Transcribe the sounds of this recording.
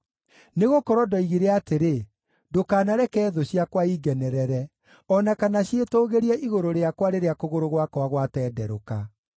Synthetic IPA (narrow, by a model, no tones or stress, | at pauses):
neɣokɔɾɔdɔiɣiɾɛateɾe | dokaːnaɾɛkɛːðoɕjakwaiɡɛnɛɾɛɾɛ | ɔnakanaɕetoɣeɾiɛʔiɣoɾoɾeakwaɾeɾeakoɣoɾoɣwakwaɣwatɛːdɛɾoka